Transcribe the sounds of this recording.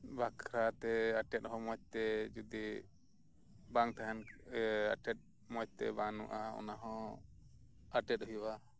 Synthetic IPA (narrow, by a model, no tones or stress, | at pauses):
bakʰɾat̪ɛaʈɛt̪̚ɦɔ̃mɔc̚t̪ɛd͡ʒud̪i | baŋt̪aɦana̰ʈɛt̪̚ | mɔc̚t̪ɛ̰banṵʔaɔ̰naɦɔ̃ | aʈɛt̪̚ɦjwa